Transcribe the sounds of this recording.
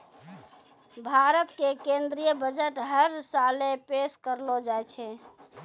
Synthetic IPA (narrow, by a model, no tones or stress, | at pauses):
bʱaɾət̪kekẽnd̪ɾijəbəd͡ʒəʈɦəɾsalepeskəɾlɔd͡ʒajt͡ʃʰɛ